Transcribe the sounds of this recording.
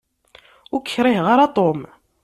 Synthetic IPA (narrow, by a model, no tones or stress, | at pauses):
ʊkʰːɾˤɪhʁaɾat̪ˤom